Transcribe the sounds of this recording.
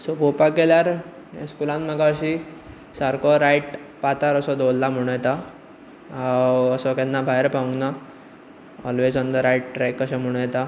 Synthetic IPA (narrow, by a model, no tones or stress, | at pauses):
sɔpopakeljaɾ | eskulãnməɡaɕi | saɾkɔɾajʈpat̪aɾəsɔd̪olːam̤əɽ̃ũjɛt̪a | awəsɔkɛ̃nːabʱaeɾpãɡna | ɔlʋed͡zɔnd̪əɾajʈ̚ʈɾekːəɕãm̤əɽ̃ũjet̪a